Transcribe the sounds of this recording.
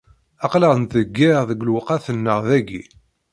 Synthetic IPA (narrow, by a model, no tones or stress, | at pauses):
ɑqləʁənt̪əɡːɪʁðəɡlwqaθənːəʁðæɡḭ